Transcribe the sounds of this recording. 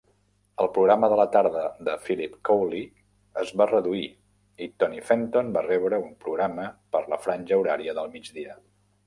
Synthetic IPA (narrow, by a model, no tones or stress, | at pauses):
əlˠpɾuɣɾaməðələt̪aɾðəðəfilipkowli | əzβarəðui | it̪ɔnifɛnt̪onbarɛβɾəumpɾuɣɾaməpəɾləfɾanʲʒəuɾaɾiəðəlˠmid͡ʒðiə